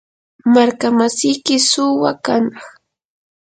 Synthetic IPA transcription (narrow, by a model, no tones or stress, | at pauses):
maɾkamasɪjkɪsʊwakanɑχ